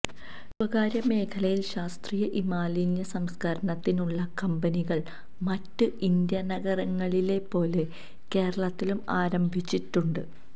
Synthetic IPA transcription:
sɐɣaːɾjɐme̞ːkʰɐlɐjilɕaːst̪riːjɐʔimaːliːnjɐsɐmskɐɾɐɳɐt̪ːinuɭːɐkɐmbɐniɣɐɭ | mɐtːɨʔind̪jɐnɐɣɐrɐŋːɐɭile̞pːo̞ːle̞ | ke̞ːɾɐɭɐt̪ːilumaːɾɐmbʱit͡ɕːiʈːuɳɖɨ

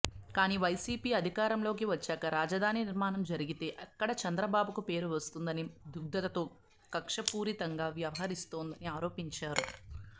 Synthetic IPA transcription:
kaːniːʋɐjsiːpiːɐd̪ʱikaːɾɐmlo̞ːk̬iʋɐt͡ʃːɛːkɐɾaːd͡ʒɐd̪ʱaːniniɾmaːnɐmd͡ʒɐɾiɡit̪e̞ːʔɐkːɐɽɐt͡ʃɐnd̪ɾɐbaːbukupe̞ːɾuʋɐst̪und̪ɐnid̪ʱuɡ̚d̪ɐt̪ɐt̪oː | kɐkʂɐpuːɾit̪ɐŋɡaːʋjɐʋɐɦɐɾist̪oːnd̪ɐniaːɾo̞ːpiɲt͡ʃaːɾu

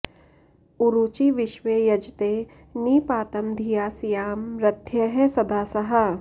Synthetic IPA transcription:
uɾuːt͡ʃiʋɪʃʋeːjɐd͡ʒt̪eː | niːpaːt̪ɐmd̪ʱijaːsijaːmɾɐt̪ʰjɐɦɛsɐd̪ʱaːsɐɦɐ

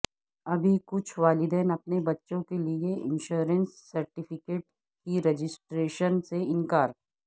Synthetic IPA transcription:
ɐbʱikʊt͡ʃʰʋaːlɪd̪ɛːnɐpnebɐtːʃõkelieʔɪ̰̃nʃuːɾənsːɐɾʈɪfʰɪkeːʈ | kiɾɛd͡ʒɪsʈɾeːʃənseɪ̃nkaːɾ

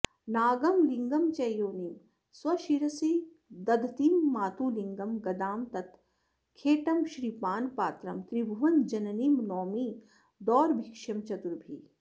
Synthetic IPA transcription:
naːɡɐmliŋɡɐmt͡ʃɐjoːnim | swɐʃiɾɐsi | d̪ɐd̪ʱt̪iːmːaːt̪ʰuːliŋɡɐmɡɐd̪aːmt̪ɐt̪ | kʰeːʈɐmʃɾiːpaːnpaːt̪ɾɐmt̪ɾibʱuʋɐnd͡ʒɐnɐniːmnɔːmiː | d̪ɔːɾbʱikʃɐmt͡ʃɐt̪uɾbʱḭː

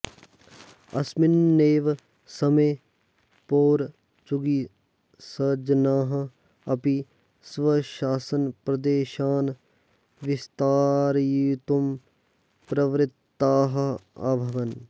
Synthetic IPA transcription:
ɐsmɪnːeːʋ | sɐmeː | poːɾ | t͡ʃuɡi | sɐd͡ʒnaːɦɐ̆ | ɐpi | sʋɐʃaːsɐnpɾɐd̪eːʃaːn | ʋɪst̪aːɾjit̪um | pɾɐʋɾɪt̪ːaːɦɐa̰ːbʱɐʋɐn

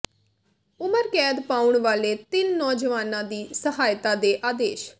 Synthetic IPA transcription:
ʊməɾkɛːd̪paːʊɳʋaːleːt̪ɪnːɔːd͡ʒəʋaːnãːd̪iːsəɦaːjt̪aːd̪eːʔaːd̪eːʃ

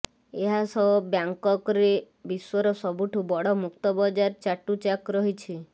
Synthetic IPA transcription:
eɦasɔbjaŋkɔkɔɾe | biswɔɾɔsɔbuʈʰubɔɽɔmukt̪ɔbɔd͡ʒaɾt͡ʃaʈut͡ʃakɾɔɦit͡ʃʰi

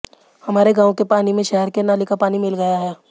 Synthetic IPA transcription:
hɐmaːɾeɡãːõkepaːnimẽʃɛɦɛɾkenaːlikapaːnimɪlɡəjaɦɛː

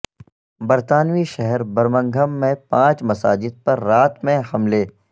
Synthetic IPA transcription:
bɐɾt̪aːnʋiʃɛɦɛɾbɐɾmə̃ŋɡʱəmːẽpãːt͡ʃmɐsa̰ːd͡ʒɪd̪̚pɐɾːaːt̪mẽhɐmleː

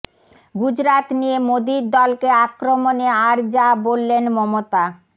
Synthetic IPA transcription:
ɡud͡ʑɾat̪nijemod̪iɾd̪ɔlkeakɾomoneaɾd͡ʑabolːenmɔmot̪a

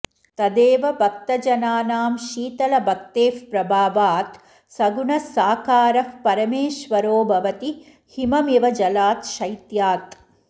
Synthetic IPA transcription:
t̪ɐd̪eːʋɐbʱɐk̚t̪ɐd͡ʒɐnaːnaːmʃiːt̪ɐlɐbʱɐkt̪eːfpɾɐbʱaːʋaːt̪ | sɐɡunɐsaːkaːɾɐfpɐɾɐmeːʃʋɐɾoːbʱɐʋɐt̪i | himɐmiʋɐd͡ʒɐlaːt̪ʃɐjt̪jaːt̪

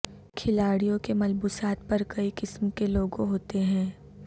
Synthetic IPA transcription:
kʰɪlaːɽijõkemɐlbuːsaːt̪̚pɐɾkɐikɪsmkeloːɡõɦoːt̪eɦɛ̃ː

